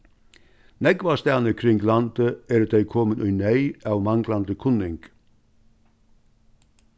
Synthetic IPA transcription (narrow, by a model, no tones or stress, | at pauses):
nɛɡʋɑst̪æːnəkʰɾɪŋɡlɑnd̪əeːɾd̪eɪkʰɔmənʔœʏnœɪʔɑːʋmɑŋɡlɑnd̪əkʰʊnɪŋɡ̥